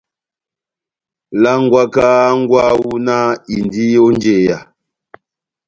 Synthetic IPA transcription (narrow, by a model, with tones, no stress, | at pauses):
la˦ŋ˦ɡwa˦ka˦ŋ˦ɡwa˦wu˦na˦i˨ndi˦o˦nd͡ʒe˨ja˨